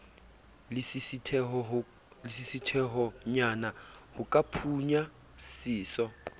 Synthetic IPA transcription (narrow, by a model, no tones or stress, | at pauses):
tʰɛ | lɪsisitʰɛɦɔɲanahʊkʼapʰuɲa | siːsɔ